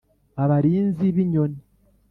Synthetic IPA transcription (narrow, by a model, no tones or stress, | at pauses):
aβaɾiːnziβiɲo̞ni